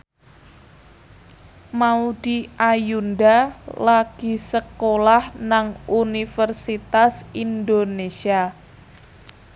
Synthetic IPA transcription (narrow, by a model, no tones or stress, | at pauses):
maud̥iʔajundalaɡ̥i̤səkolahnaŋunifərsit̪asind̪onesia